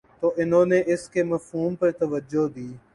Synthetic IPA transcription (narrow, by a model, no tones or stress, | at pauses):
t̪oːʔɪnɦõːneʔɪskemɐfɦuːmpəɾt̪əʋəd͡ʒod̪iː